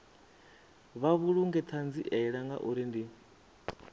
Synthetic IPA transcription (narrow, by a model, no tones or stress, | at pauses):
βaβuɺuŋɡɛt̪ʰand͡ziʔɛɺaŋɡa̰ʔuɾindi